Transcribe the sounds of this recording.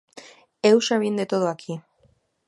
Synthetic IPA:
ewʃaβind̪et̪oðoakʰi

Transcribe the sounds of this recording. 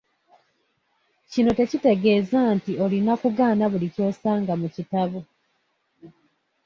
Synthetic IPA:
cino̞te̞cite̞ɡe̞ːzantio̞linakuɡaːnaβulico̞ːsaːŋɡamucitaβu

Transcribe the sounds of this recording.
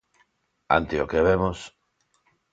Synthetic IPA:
a̰nt̪eokeβ̞emos

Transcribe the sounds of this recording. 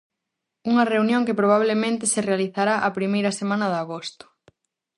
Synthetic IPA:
uŋɐreunjõŋkɪpɾoβ̞aβlemẽnt̪ɪsɪrealiθaɾaʔɐpɾimejɾɐsemãnɐðaɣost̪ʊ̥

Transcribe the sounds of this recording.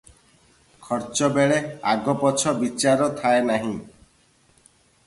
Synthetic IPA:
kʰɔɾt͡ʃɔbeɭeaɡɔpɔt͡ʃʰɔbit͡ʃaɾɔt̪ʰaenaɦĩ

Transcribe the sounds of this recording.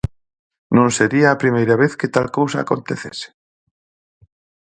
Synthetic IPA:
nõnseɾiaːpɾimejɾaβ̞eθket̪alkowsa̰ːkont̪eθese̥

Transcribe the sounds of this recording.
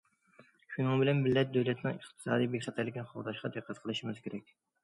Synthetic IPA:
ʃunɨŋbɪlɛnbɪlːɛt̪̚d̪øwlɛt̪nɪŋəχt̪ʰɨ̥sɑ̰ːd̪ijbekʲχɑt̪ʰɛɾlɪkʲɛnχowd̪ɑʃqɑd̪ɨqʰːæt̪̚qʰəlˠɨʃimɪzkʲʰeɾɛk̚ʲ

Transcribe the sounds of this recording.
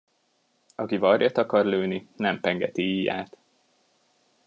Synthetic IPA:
ɒkivɒrjɒt̪ɒkɒrløːninɛmpɛŋɡɛt̪iiːja̰ːt̪

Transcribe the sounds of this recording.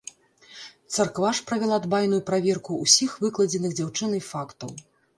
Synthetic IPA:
t̪sarkvaʂpɾɐvʲɛlˠad̪bajnujupɾavʲɛrkuːsʲixvɨklˠɐd͡zʲɛnɨɣd͡zʲawt͡ʂɨnɨjfakt̪ɐw

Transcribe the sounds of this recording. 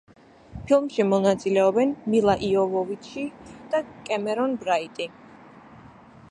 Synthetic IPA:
pʰilˠmʃimɔnat̪sʼilɛɔbɛnmilˠaʔiɔvɔvit̪ʃʰid̪̥akʼɛmɛɾɔnbɾait̪ʼi

